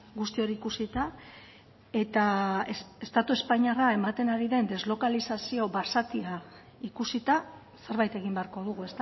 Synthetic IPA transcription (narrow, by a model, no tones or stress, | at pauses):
ɡust̪io̞ɾiiːkusit̪a | e̞t̪aeest̪at̪ue̞spaɲarae̞mat̪e̞naɾiðe̞nd̪e̞zlo̞kalisasio̞βasat̪ia | ikusit̪a | se̞ɾβajt̪e̞ɣimbe̞aɾko̞ðuɣ̞ue̞st̪a